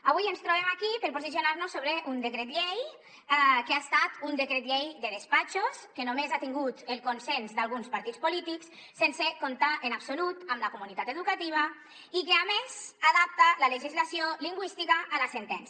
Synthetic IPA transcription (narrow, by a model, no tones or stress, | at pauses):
aβujenst̪ɾoβ̞emakipeɾpozisionaɾnosːoβɾeʔund̪ekɾet̪ʎej | keast̪at̪und̪ekɾet̪ʎejd̪eðespat͡ʃoskenomezat̪iŋɡut̪elˠkonsenzd̪alˠɣunspaɾt̪it͡spolit̪iks | sensekont̪aʔenapsolut̪amlakomunit̪at̪eðukat̪iβ̞a | ikeamezaðap̚t̪alaleʒizlasioliŋɡwist̪ikaʔːlasent̪ɛns